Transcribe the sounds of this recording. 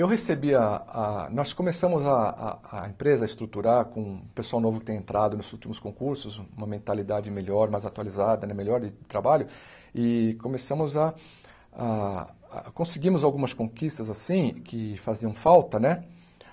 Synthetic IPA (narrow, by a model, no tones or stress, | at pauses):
ewɦesebiɐanɔskõmesɐ̃mʊzaa̰ːẽmpɾezɐɪst̪ɾut̪uɾaɾkõpesuawnovʊkɪt̪ẽj̃ẽnt̪ɾʔad̪ʊnʊzut͡ʃimʊskõkuɾsʊzũmɐmẽnt̪alid̪ad͡ʒɪmeʎɔɾmajzat̪ualizad̪ɐnɛmeʎɔɾd͡ʒɪdɪt̪ɾabaʎʊ | ɪkõmesɐ̃mʊzɐ | a̰ | kõsɪɡĩmʊzawɡũmɐskõkist̪ɐzasĩkʰɪfaziɐ̃w̃fawt̪ɐnɛ